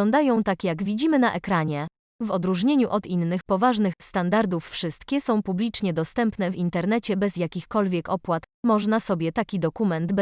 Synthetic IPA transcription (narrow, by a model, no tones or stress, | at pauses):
ɔnd̪ajɔ̃w̃t̪akʲjaɡvʲid͡ʑimɘnaʔɛkɾaɲɛ | vɔd̪ɾuʐɲeɲuʔɔd̪inːɘxpɔvaʐnɘxst̪and̪aɾd̪ufːʂɘst̪kʲɛsɔ̃w̃publʲit͡ʂɲɛd̪ɔst̪ɛmpnɛvint̪ɛɾnɛt͡ɕɛbɛzjakʲixkɔlvʲjɛkɔpwat̪mɔʐnasɔbʲjɛt̪akʲid̪ɔkumɛnd̪b